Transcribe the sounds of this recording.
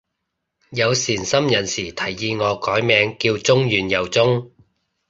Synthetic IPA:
jɐ˨˧wsiː˨˩nsɐ˥mjɐ˨˩nsiː˨˩t̪ʰɐ˨˩jːiː˨˧ŋɔː˨˧kɔː˨˥jmɛː˨˧ŋkiː˧wt͡sʊ˥ŋjyː˨njɐ˨˩wt͡sʊ˥ŋ

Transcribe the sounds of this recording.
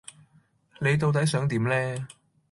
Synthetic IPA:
ne˨˧jt̪o˧wt̪̬ɐ˨˥jsœː˨˥ŋt̪iː˨˥mlɛː˥

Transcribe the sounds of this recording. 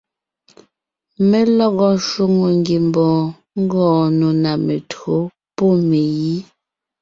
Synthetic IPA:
me˦lɔ˦ɣɔ˦ʃu˦ŋo˨ŋɡi˨mbɔː˨ | ŋ̩˦ɡɔ̃ː˦˨no˨na˨me˨two˨˦ | po˦˨me˨ji˦

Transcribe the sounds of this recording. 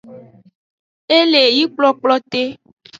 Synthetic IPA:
e˦le˨ji˦k͡plɔ˦k͡plɔ˦t̪e˦

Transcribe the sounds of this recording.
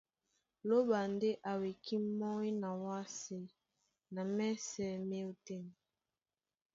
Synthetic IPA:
lo˦ba˨nde˦ʔa˨we˨kʰi˦mɔ˦i˦na˨wa˦se˦ | na˨mɛ˦sɛ˨me˦o˨te˦m˨

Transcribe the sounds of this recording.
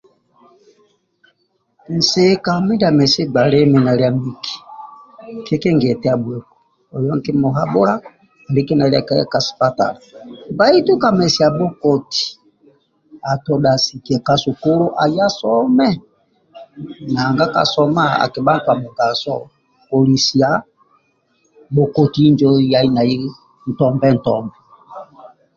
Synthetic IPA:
n̩˨se˨ka˨m˦i˦da˨mɛ˨si˦ɡ͡ba˨lɛ˦mɛ˨na˨ɾi˦a˨mi˦ki̥˨ | ke˦kɛ˦ŋɡɛ˨tɛ˦a˨bwɛ˨kɔ̥˨ | ɔ˨jɔ˦ŋ˦kɛ˦mɔ˨ɦa˦bo˦ɾa˦˨ | bi˦ki˦na˨li˦a̰˨ka˦a̰˦ka˨si̥˨pa˦ta̰˨la˨ba˦i˦tu˦ka˨mɛ˨si˨ja˨bɔ˦kɔ˨ti̥˨ | a˨tɔ˨da˨si˨kɛ˨ka˦so˨ko˦lo˦ʔa˨ja˦sɔ˦mɛ˦ | na˨ŋɡa˦ka̰˨sɔ˦ma˦a̰˨ke˨ba˦twa˨mo˨ɡa˨sɔ̰˦˨ | po˨li˨si˨ja˨ | bo˨ko˨ti˦i˦nd͡ʒo˦ja˨˦i˦na˨ji˦ | n̩˨tɔ˦mbɛ˦˨n̩˨tɔ˦mbɛ˨

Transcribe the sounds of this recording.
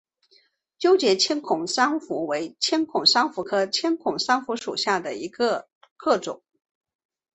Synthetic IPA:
t͡ɕjo˥ʊt͡ɕjɛ˧˥t͡ɕʰjɛ˥nkʰʊ˨˩ŋʂɑ˥ŋfu˧˥we˧˥ɪt͡ɕʰjɛ˥nkʰʊ˨˩ŋʂɑ˥ŋfu˧˥kʰɤ˥t͡ɕʰjɛ˥nkʰʊ˨˩ŋʂɑ˥ŋfu˧˥ʂṵ˨˩ɕja˥˩d̪ə˩i˧˥ɡə˧ | kʰɤ˥˩ʈ͡ʂʊ̰˨˩˦ŋ

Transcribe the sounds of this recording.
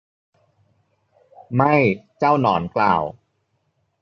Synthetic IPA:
ma˥˩jt͡ɕaː˥˩wnɔː˩˦nkla̰ː˨˩w

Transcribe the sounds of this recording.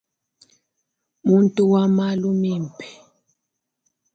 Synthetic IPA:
mu˦ntʼu˦wa˦ma˦lu˦mi˦˨m˨pʰɛ̥˨

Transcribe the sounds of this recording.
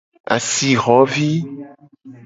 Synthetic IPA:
a̰˨si˨ɣɔ˨˦vi˦

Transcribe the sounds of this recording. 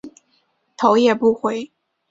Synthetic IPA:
t̪ʰo˧˥ʊjɛ˨˩pu˥˩xwe˧˦ɪ

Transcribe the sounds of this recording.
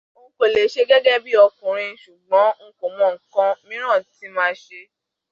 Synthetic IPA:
o˦ko˨le˨˦ʃe˦ɡɛ˦ɡɛ˦bi˦ɔ˧kũ˨ɾ̃ĩ˧˦ʃu˨ɡ͡bɔ̃˨˦ŋ̩˦ko˨m̃ɔ̃˨˦ŋ̩˨kã˦mĩ˦ɾ̃ã˦˨ti˨˦mãː˦ʃe˧

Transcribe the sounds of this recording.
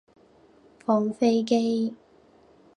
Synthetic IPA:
fɔː˧˩ŋfe˥jk̬e˥j

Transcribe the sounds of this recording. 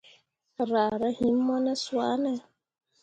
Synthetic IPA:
ɾa˨ɾɛ˦hi˨˦mː˦ɔ˦nɛ˦swa˦nɛ˦

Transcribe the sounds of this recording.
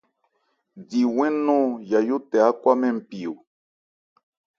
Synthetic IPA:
di˨wɛ̃˦nũ˦ja˨ju˦t̪ɛ˨a˦kʷwa˦mɛ̃˦m̩˨pi˨u˨

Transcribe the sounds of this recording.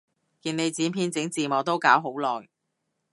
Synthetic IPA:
kiː˧ne˨˧jt͡siː˨˥npʰiː˧nt͡sɪ˨˥ŋt͡siː˨mɔː˨˧˥t̪o˥wkaː˨˥wɦo˨˥wlɔː˨˩j

